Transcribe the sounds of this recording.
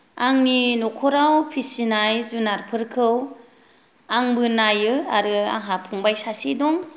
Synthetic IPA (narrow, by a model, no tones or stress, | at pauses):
aŋninɔkʰɔɾawpʰisinajzunaɾpʰɯɾkʰɯw | aŋbɯnajɯaɾɯa̰ŋɦapʰuŋbajsasidɔŋ